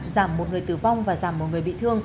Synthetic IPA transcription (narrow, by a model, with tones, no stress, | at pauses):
zaː˧˩mːo˨˩t̚ŋɨ˨˩əjt̪ɨ˨˧˩va˧wŋ͡mvaː˨˩zaː˧˩mːo˨˩t̚ŋɨ˨˩əjɓḭ˧˨t̪ʰɨ˧əŋ